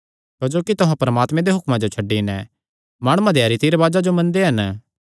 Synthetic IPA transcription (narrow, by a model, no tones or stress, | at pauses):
kɐd͡ʒoːkit̪ʊɦãpɐɾəmaːt̪mẽd̪eɦʊkmãd͡ʒot͡ʃʰɐɖːinɛ | maːɽ̃uãd̪ʱjaːɾit̪iːɾʋaːd͡ʒad͡ʒomɐ̃nd̪eɦɐn